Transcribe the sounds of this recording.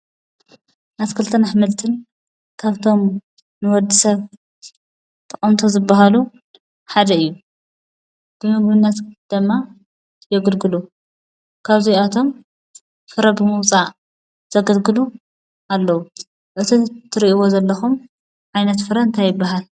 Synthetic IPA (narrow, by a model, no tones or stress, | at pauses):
nazkʰɨlt̪ʰɐnaħmɨlt̪ʰɨn | kʰaβt̪ʰo̞m | nɨwɔd̪ːisɐβ | t̪ʰɐχʼɐmt̪ʰo̞zɨbːaɦalu | ħad̪ɐɨjːu | b̥ɨmɨɡmɨnːɐt̪d̪̥ɨmːa | jɛɡɨlɡɨlu | kʰaβzijat̪ʰo̞m | fɨɾɐbɨmɨwt͡sʼa | z̥ɐɡɐlɡɨlu | alːɐwu | ʔɨt̪ʰit̪ʰɨɾiʔiwo̞zɐlːɐxum | ʕajnɐt̪fɨɾɐɨnt̪ʰajɪbːaɦal